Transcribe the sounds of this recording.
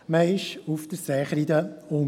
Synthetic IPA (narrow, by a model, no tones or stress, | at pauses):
məɪʃufd̥̪əɾsɛχɾid̪əʊ